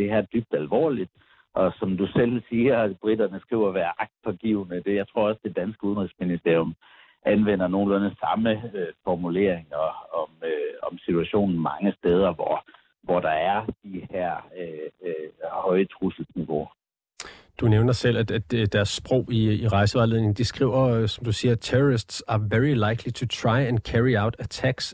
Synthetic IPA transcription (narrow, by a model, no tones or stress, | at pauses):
d̥e̝hæɐ̰d̥yb̥̚d̥ælʋɒ̰ːlid̥̚ | ʔɒ̽sɒ̽md̥usel̰siːɐb̥ʁid̥ɐnəsɡ̥ʁḭʊ̰ɐʋæːɐʔɑ̈ɡ̥̚d̥̚pʰɒ̽ɡ̥iːʊnəd̥e̝jɑ̈ɪt͡sʰʁo̝ɐ̰ɒ̽sd̥e̝d̥ænsɡ̥əuðˠənʁisminisd̥e̝ɐ̰jɔ̽m | ʔænʋen̰ɐno̝ːn̩lɔnəsɑ̈məøfɒmule̝ɐ̰eŋɐɒ̽møɒ̽msit͡sʰuæɕo̝̰ːnn̩mɑ̈ŋəsd̥eːð̞ˠɐʋɒ̰ | ʋɒɾ̥ɑ̈æɐd̥iheɐ̰ø | hɒ̽ɪət͡sʰʁusl̩sniʋo̝ | d̥uneʊnɐsel̰æ̥æd̥d̥æɐsːb̥ʁɔʊ̰iːʁɑ̈ɪsəʋɑ̈ːle̝ð̞̰ˠneŋn̩d̥isɡ̥ʁḭʊ̰ɐsɒ̽md̥usiːɐt͡sʰeʁɔʁisd̥sæɐʋeʁilɑ̈ɪkʰlit͡sʰut͡sʰʁɑ̈ɪænkʰæʁiäʊ̰d̥æt͡sʰæɡ̥s